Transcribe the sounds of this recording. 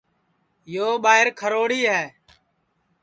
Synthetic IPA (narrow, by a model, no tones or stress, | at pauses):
joːɓaːɪɾkʰəɾoːɽiːɦɛː